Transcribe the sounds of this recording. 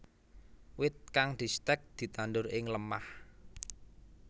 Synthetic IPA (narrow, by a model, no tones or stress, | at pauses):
wɪt̪̚kaŋd̪̥i̤st̪ɛk̚d̪̥i̤t̪anɖʊɾɪŋləmah